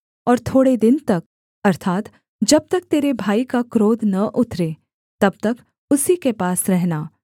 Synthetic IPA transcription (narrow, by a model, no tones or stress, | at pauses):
ɔːɾt̪ʰoːɽed̪ɪnt̪ɐk̚ | ɐɾt̪ʰaːt̪ | d͡ʒɐb̚t̪ɐk̚t̪eːɾebʱaːikakɾoːd̪nɐʔʊt̪ʰɾe | t̪ɐb̚t̪ɐk | ʊsikepaːsɾɛɦnaː